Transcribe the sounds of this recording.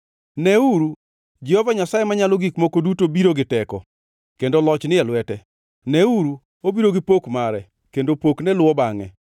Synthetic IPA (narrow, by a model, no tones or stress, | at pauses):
nɛuɾu | d͡ʒɛhovaɲasajemaɲaloɡikmokodutobiɾoɡɪtɛkɔ̰ | kendolɔt͡ʃnɪjalwɛtɛ | nɛuɾu | obiɾoɡɪpokmaɾɛ | kendopoknɛlʊwɔbaŋɛ̰